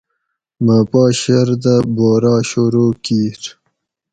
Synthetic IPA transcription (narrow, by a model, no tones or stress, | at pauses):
mapɑːɕeɾd̪əboːɾɑːɕoɾokiːɾ